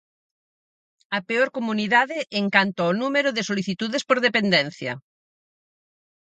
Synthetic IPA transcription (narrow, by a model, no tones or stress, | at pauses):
ɐpeoɾkomuniðaðɪʔːŋkant̪oaonumeɾʊðesoliθit̪uðespoɾðepend̪ɛn̟θjɐ̰